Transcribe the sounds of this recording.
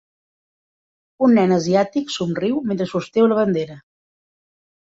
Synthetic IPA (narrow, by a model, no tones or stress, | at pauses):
unːɛnəziat̪iksumriwment̪ɾəsust̪ɛwləβənd̪eɾə